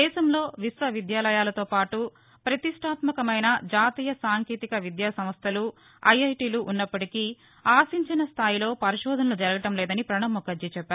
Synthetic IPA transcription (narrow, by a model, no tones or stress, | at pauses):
d̪ɛːʃɐmlo̞ːʋisʋɐʋid̪jaːlɐjaːlɐt̪oːpaːʈu | pɾɐt̪iʂʈʰaːt̪mɐkɐmɐjnɐd͡ʒaːt̪iːjɐsaːŋkeːt̪ikɐʋid̪jaːsɐmɐst̪ʰɐlu | ɐjɐjʈiːluʔunːɐpːɐʈikiː | aːsiɲt͡ʃinɐst̪ʰaːjilo̞ːpɐɾiʃɔːd̪ʱɐnɐlud͡ʒɐɾɡɐʈɐmlɛːd̪ɐnipɾɐɳɐmːɔkɐd͡ʒit͡ʃɛpːaːɾ